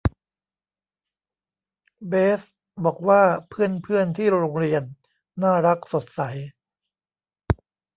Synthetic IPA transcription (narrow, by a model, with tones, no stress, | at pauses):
beː˦˥s | bɔː˨˩k̚waː˥˩pʰɯ˥˩ənpʰɯ˥˩ənt̪ʰiː˥˩ɾoː˧ŋɾi˧ənː | aː˥˩ɾa˦˥k̚so˨˩t̪̚sa˩˦j